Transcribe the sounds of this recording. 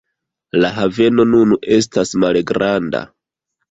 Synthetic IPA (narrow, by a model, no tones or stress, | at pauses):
laɦave̞no̞nunʔe̞s̬tasmalɡɾanda̰